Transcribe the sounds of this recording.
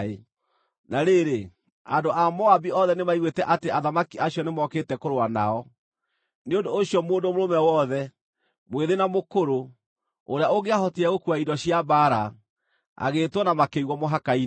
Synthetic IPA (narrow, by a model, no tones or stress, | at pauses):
e | naɾeɾe | andoʔamɔabiɔðɛnemaiɣwetɛʔateaðamakiaɕijɔnemɔketɛkoɾoanaɔ | neondoːɕjɔmoːndomoɾomɛwɔðɛ | mweðenamokoɾo | oɾeaoɣeaɦɔtiɛɣokuaidɔɕiabaːɾa | a̰ɣeːtwɔnamakeɣwɔmoɦakai